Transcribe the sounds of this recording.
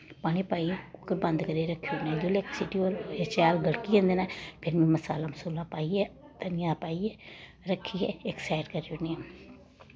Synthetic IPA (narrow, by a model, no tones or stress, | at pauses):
paːñiːpaːiɛʊkːəɾbə̃nd̪kəɾieɾəkʰːjoneːd͡ʒolɛksɪʈioːɾɪt͡ʃaːlɡəɽkiɛ̃ːnd̪eːnãːpʰɪɾmĩməsa̰ːlaːməsuːlãːpaːiɛː | t̪ənɪjãːpaːiɛː | ɾəkʰiɛːeksaːɪʈkəɾd͡ʒoniɛː